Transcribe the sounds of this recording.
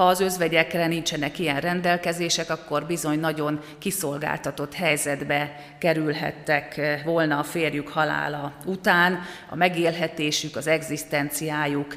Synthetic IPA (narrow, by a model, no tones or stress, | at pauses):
hɒːzø̞zʋɛɟɛkrɛnint͡ʃɛnɛkijɛnrɛnd̪ɛlkɛzeːʃɛkɒkːo̞rbizo̞ɲnɒɟo̞ŋ | kiso̞lɡa̰ːlt̪ɒt̪o̞t̪hɛjzɛd̪bɛ | kɛɾylɦɛ̰t̪ːɛkʋo̞lnɒfeːrjukhɒla̰ːlɒut̪aːnɒ̰mɛɡeːlɦɛt̪eːʃykɒzɛɡzist̪ɛnt̪sijaːjuk